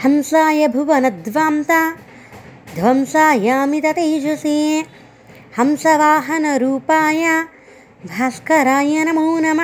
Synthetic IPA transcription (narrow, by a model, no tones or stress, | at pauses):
hɐmsaːjɐbʱuʋɐnɐd̪ʋaːmt̪a | d̪ʱʋɐmsaːjaːmit̪ɐt̪ed͡ʒɐsi | hɐmsɐʋaːɦɐnɐɾuːpaːjɐ | bʱaːskɐɾaːjɐnɐmuːnɐm